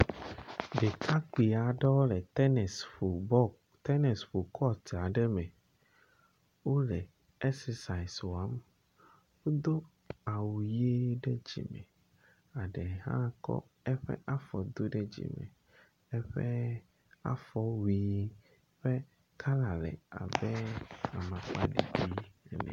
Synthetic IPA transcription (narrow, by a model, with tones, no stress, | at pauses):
ɖe˨kʰa˦k͡pi˨a˨ɖɛ˦lɛ˨tɛ˦nɛ˨so˨bɔ˦ | t̪ɛ˦nɛ˨sɸo˨kʰɔ˦t̪a˨ɖɛ˦mɛ˨ | wo˦ɖɛ˨ | ɛ˦ksɛ˨sa˨i˨swo˨a˨˦m | wo˦d̪o˦ | a˨wu˨je˦ɖe˦d͡ʑḭ˨mɛ̰˨ | a˨ɖɛ˨ɦã̰˦kɔ̰˦ | ɛ˦ɸɛ̰˦ʔa˦fɔ˨d̪o˦ɖɛ˦d͡ʑḭ˨mɛ̰̃˨ | ɛ˦ɸɛ˦ | a̰˦fɔ˦wi˨˦ | ɸɛ˦ | kʰa˦la˨lɛ̰˨a̰˨bɛ˦a˨mã˨k͡pa̰˦ɖḭ˨bi˦˨nɛ̰̃˨